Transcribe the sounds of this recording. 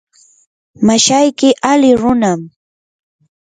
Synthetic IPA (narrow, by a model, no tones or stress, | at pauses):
maʃajkɪʔalɪɾʊnam